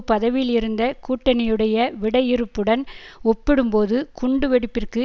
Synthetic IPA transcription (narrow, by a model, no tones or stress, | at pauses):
pɐðɐʋɪlɪɾɯnd̪ɐkuːʈːɐnɪjɯɽɐjɐʋɪɽɐjɪɾɯpːɯɽɐnɔpːɪɽɯmpoːðɯkʊɳɖɯʋɛɽɯpːɪrkɯ